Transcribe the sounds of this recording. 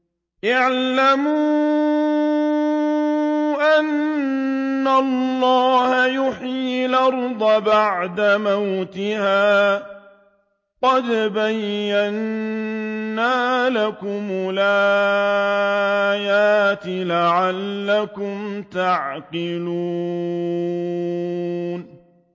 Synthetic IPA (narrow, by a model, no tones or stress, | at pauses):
ʔaʕlamu | ʔanː | alːɑːhajʊħːlʔɑɾˤd̪ˤɑbaʕd̪amawt̪ɪhaː | qɑd̪bajːan | aːlakʊmʊlaa | jaːt̪ɪlaʕalːakʊmt̪aʕqɪluː | n